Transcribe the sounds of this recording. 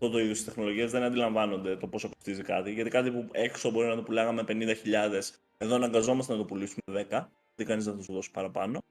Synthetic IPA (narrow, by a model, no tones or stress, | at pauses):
ɐt̪o̞t̪o̞iðjost̪ist̪exno̞lo̞ʝiɐzðenɐnd̪ilɐɱvɐno̞nd̪e̞t̪o̞po̞sɐpost̪izikɐt̪iʝɐt̪ikɐt̪ipue̞ksobo̞ɾinɐt̪o̞pulɐɣɐme̞pe̞nind̪ɐçiʎɐðe̞s | e̞ðo̞enɐŋɡɐzo̞mɐst̪enɐt̪o̞pulisumeðe̞kɐ | ɐt̪ikɐniznɐθusuðo̞si̥pɐɾɐpɐno̞